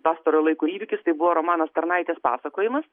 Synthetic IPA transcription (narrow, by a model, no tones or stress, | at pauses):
pɑːst̪ɐɾoːjlˠɐɪkuiːʋʲɪkʲɪst̪ɐɪbʊʋoːɾoːmɑːnɐst̪ɐɾnɐɪt̪ʲeːspɑ̰ːsɐkoːjɪmɐs